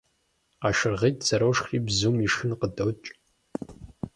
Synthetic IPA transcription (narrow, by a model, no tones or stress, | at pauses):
aːʃɨrʁeːtzɐɾɐwʂxriːbzuːmiʂɨnqədɐwt͡ʃʼ